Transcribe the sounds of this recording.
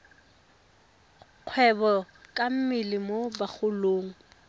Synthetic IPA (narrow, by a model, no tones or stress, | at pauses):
q͡χʰwɛbɔ | kʼam̩mɪlɪmobak͡xʰʊloːŋ̩